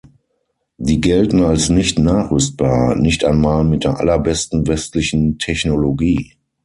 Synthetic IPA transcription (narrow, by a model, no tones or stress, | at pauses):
ziːɡɛltn̩alsnɪçtnaːχʁʏst̚b̥aːɐnɪçtaɪnmaːlmɪt̚d̥eːɐʔa̰lɐbɛstn̩vɛstlɪçn̩tʰɛçnoloɡiː